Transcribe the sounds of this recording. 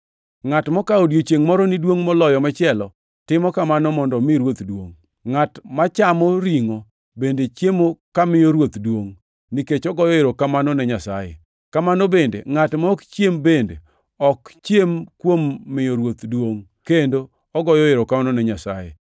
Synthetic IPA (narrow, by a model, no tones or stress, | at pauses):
ŋatmɔkaodjot͡ʃjeŋmɔɾɔnidwoŋmɔlɔjɔmɛt͡ʃɪɛlɔ | tɪmɔkamanɔmɔndɔmɪɾwot̪dwoŋ | ŋatmat͡ʃamɔɾiŋo | bendet͡ʃjemokamɪjoɾwot̪dwoŋ | niket͡ʃɔɡɔjɔeɾokamanɔnɛɲasa̰jḛ | kamanobendḛŋatmaɔkt͡ʃjembendḛ | ɔkt͡ʃjemkwomːɪjoɾwot̪dwoŋ | kendo | ɔɡɔjɔeɾɔkamanɔnɛɲasa̰jḛ